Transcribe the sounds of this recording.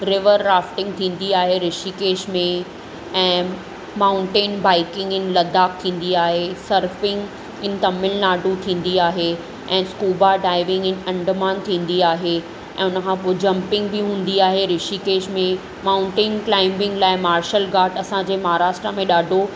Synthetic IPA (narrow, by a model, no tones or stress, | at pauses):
ɾɪʋəɾːaːfʈɪ̃ŋɡt̪ʰĩːn̆d̪iaːɦeɾɪʃikeːʃmẽ | ɛ̃ː | maːʊ̃ɳʈeːnbaːɪkɪ̃ŋɡɪnɪ̆lɐd̪ʱaːkt̪ʰĩːn̆d̪iaːɦesɐɾfɪ̃ŋɡ | ɪnɪ̆t̪ɐmːɪlnaːɖʱut̪ʰĩːn̆d̪iaːɦe | ɛ̃ːskuːbaɖaːɪʋɪ̃ŋɡɪn̆ɐ̃ɳɖmaːnt̪ʰĩːn̆d̪iaːɦe | ɛ̃ːʊnəkʰãpoːd͡ʑɐ̃mpɪ̃ŋɡbɪɦũːn̆d̪iaːɦeɾɪʃikeːʃmẽ | maːʊ̃ɳʈeːnklaːɪ̃mbɪ̃ŋɡlaːɪmaːɾʃəlɡaːʈɐsãd͡ʑeːmaɦaɾaːʃʈɾəmẽɗaːɖʱo